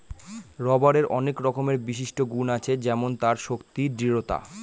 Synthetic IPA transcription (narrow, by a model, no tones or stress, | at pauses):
ɾɔbaɾeɾɔnekɾɔkomeɾbiʃiʃʈoɡunat͡ɕʰed͡ʑɛmont̪aɾʃokt̪iɖɾiɾot̪a̰